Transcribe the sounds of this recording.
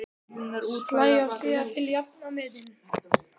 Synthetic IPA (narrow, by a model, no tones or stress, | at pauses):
t̪laːjawsiːðaɾ̥t̪ʰɪljapnamɛːðɪnʏ